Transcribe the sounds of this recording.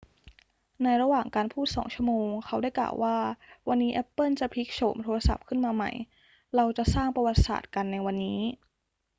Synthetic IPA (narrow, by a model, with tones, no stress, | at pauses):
na˧jɾa˧waː˨˩ŋkaː˧npʰuː˥˩t̪̚sɔ̰ː˩˦ŋt͡ɕʰu˥ə˨moː˧ŋkʰa˦˥wda˥˩jkla̰ː˨˩wʔaː˥˩wa˧nːiː˦˥ʔɛ˦˥pːɤ˥˩nt͡ɕa˨˩pʰi˦˥k̚t͡ɕʰoː˩˦mt̪ʰoː˧ɾa˧sa˨˩p̚kʰɯ˥˩nmaː˧ma̰˧˩j | ɾa˧wt͡ɕa˨˩saː˥˩ŋpɾa˧wa˨˩t̪̚sa̰ː˨˩t̪̚ka˧nːa˧jwa˧nːiː˦˥